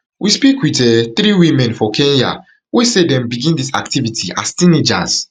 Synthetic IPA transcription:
wispikwitɛθɾiwimɛ̃nfɔkʰẽnja̰ | wesedɛ̃mbiɡĩndisa̰ktivitʰiʔa̰stĩnid͡ʒa̰s

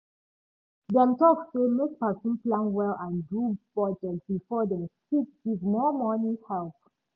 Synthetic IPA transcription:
dɛ̃mtɔksemek̚pasɔ̃nplãnwɛlãndub̥ɔtəbifɔdɛ̃sikwivmɔmɔ̃nihɛlp

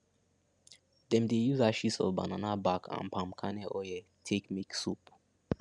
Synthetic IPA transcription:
dɛ̃mdejuzaʃisɔ̰vba̰nanabakʰã̰npʰãmkʰanɛʔɔjɛ | tʰekmiksup

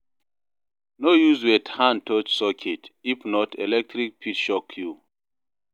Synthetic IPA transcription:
nojuzwɛthãntʰɔt͡ʃsɔkʰɛtifnɔtʰɛ̰lɛk̚tʰɹik̚pʰitʃɔkʰːju

